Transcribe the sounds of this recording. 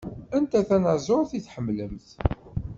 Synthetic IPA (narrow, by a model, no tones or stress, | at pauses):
ænt̪æθænazˤoɾˤθiθħəmːləmθ